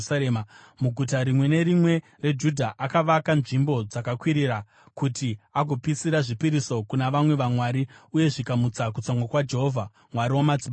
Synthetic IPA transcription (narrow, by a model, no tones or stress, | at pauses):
eːa | muɡʱutaɾimwe̞ne̞ɾimwe̞ | re̞d͡ʒudʱaʔakaʋakanʐimbo̞d͡zakakwiɾiɾa | kutiaɡʱo̞pisiɾaʐipiɾiso̞kunaʋamwe̞ʋamwaːɾiuje̞ʐikamut͡sak̬ut͡saŋɡwakwad͡ʒe̞ɦovʱa | mwaɾiwamad͡zi